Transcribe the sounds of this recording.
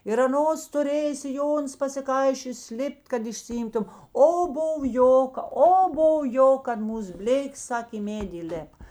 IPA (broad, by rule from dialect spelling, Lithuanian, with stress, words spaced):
ɪr ɐˈnoːs tʊˈrʲeːjeː sʲɪˈjoːnʊs pɐsʲɪˈkɐɪʃʲoːjoːs ˈlʲɪpʲˈtʲ kɐt ɪʃʲsʲɪˈɪmtʊm ˈoː ˈbʊw ˈjoːkɐ oː ˈboːw ˈjoːk kɐt ˈmuːs ˈbʲlʲeːkʲeːs ˈsɐkʲ ɪ ˈmʲeːdʲɪ iːˈlʲeːp